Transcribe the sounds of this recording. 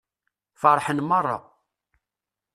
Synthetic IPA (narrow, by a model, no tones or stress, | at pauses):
fɑɾˤħənmərˤːɑ̰